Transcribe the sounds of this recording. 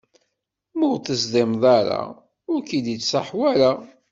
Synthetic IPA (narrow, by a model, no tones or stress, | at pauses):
mʊʁθəzðˤɪmðˤɑɾa̰ | ʊɾkid̪it͡sːsaħwæɾa